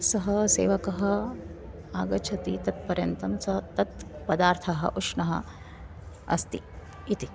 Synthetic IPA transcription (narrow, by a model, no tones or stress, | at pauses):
sɐɦɐsḛːʋɐkɐɦɐ | aːɡɐt͡ʃʰɐt̪it̪ɐt̪̚pɐɾjɐnt̪ɐmsɐɦɐt̪ɐt̪pɐd̪aːɾt̪ʰɐɦɐ̰ʔuʂɳɐɦɐ̰ | ɐ̰st̪ḭ | it̪i